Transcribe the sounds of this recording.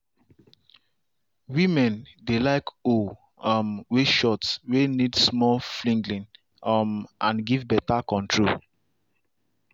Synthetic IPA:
wimɛ̃ndelaɪko | ɔmweʃɔtswenidsmɔlflĩŋɡlĩn | ɔmãnɡivbɛtakɔ̃ntʰɹol

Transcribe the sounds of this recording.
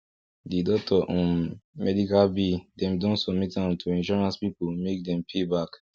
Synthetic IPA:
didɔk̚tʰɔʔɔ̃mɛdikalbidɛ̃mdõnsɔbmitãntʰuɛ̃nʃɔɹãnspipumek̚dɛ̃mpʰebak

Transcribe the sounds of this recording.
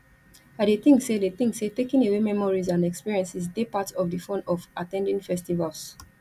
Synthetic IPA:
aɪdeθĩŋksedeθĩŋksetekĩnewemɛmɔɹizãnɛkspiɹiɛ̃nsis̬depatɔvdəfõnɔvatɛ̃ndĩnfɛstivals

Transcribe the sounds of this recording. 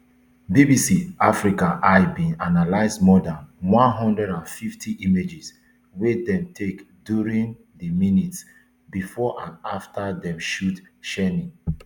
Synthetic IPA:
bibisiʔafɹikãʔabĩnanalaɪsmɔdãnwãnɦɔ̃ndɹɛɾãnfiftʰiʔimed͡ʒis | wedɛ̃mtʰekdjuɹĩŋ | dəminits | bifɔʔãnaftʰadɛ̃mʃut | ʃɛni

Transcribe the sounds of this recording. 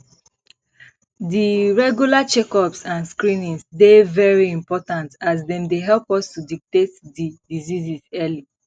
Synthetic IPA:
diɹɛɡjulat͡ʃɛkɔpsãnskɹĩnĩŋsdevɛɹiĩmpɔtãntazdɛ̃mdeɦɛlˠpɔstudik̚tetdidizizizɛli

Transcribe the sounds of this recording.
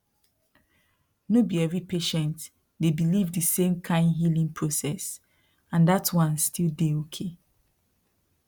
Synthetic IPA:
nobiɛvɹipeʃɛ̃nt | debilivdɨsẽmkʰãɪ̃ndɦilĩŋpʰɹosɛs | ãndatwʌ̃nstʰildeokʰe

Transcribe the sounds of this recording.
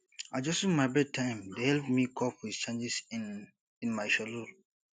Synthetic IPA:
aɪd͡ʒɔsũmaɪbɛd̚tʰãɪ̃mdehɛlpmikʰɔpʰwiz̥t͡ʃʰẽnd͡ʒɪs | ɪ̃nmaɪʃalol

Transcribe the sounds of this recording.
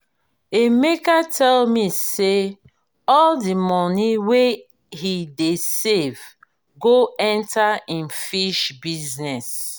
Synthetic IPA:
emekatʰɛlmise | ɔldimɔniwe | hidesev | ɡoɛ̃ntʰaĩnfiʃbiznɛs

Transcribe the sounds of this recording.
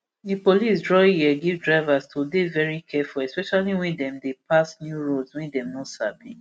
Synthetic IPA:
dipolisdɹɔjiɛɡivdɹaɪvastʰodevɛɹikʰɛfulɛspɛʃaliwɛ̃ndɛ̃mdepʰasnjuɹoswɛ̃ndɛ̃mnɔsabḭ̃

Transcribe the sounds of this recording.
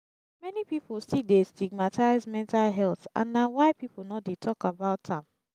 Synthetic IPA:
mɛnipipolstidestiɡ̚matʰaɪzmɛ̃ntalɦɛlθã̰nːawaɪpipol̩nɔt̚detʰɔkabaʊtʰãm

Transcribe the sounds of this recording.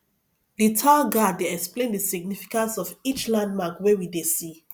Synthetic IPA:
ditʰaɡaddeɛksplẽndəsiɡ̚nifi̥kãnsɔvit͡ʃlãnd̚makwewidesi

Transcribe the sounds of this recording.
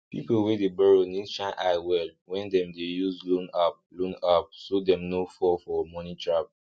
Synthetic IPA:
pḭpowɛdebɛɹonidʃãnʔaɪwɛlwɛ̃ndɛ̃mdejuslũnap̚lũnap̚sodɛ̃mnofɔfɔmɔ̃nĩtʰɹap̚

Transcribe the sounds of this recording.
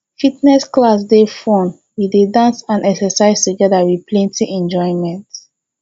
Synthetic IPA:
fitnɛsklas̬defɔ̃n | widedãnsãnɛksɛsaɪz̥tuɡɛðawiplɛ̃ntʰiʔɛ̃nd͡ʒɔ̃ɪ̃nmɛ̃nt

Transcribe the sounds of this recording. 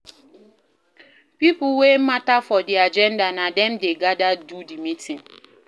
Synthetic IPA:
pipʊwem̩matafɔdiad͡ʒɛndanadɛm̩deɡadadudimitĩŋ

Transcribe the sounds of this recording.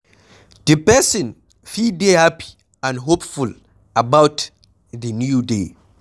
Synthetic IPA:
dəpɛsɔ̃n | fildehapi̥ | ãnɦopful | abawt | dənjude

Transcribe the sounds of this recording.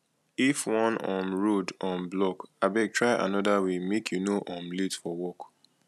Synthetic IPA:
ifwɔ̃nɔ̃mɹodɔ̃mblɔkabɛtʰɹaɪʔa̰nɔdawimekʰjunoʔɔ̃mletfɔwɔk

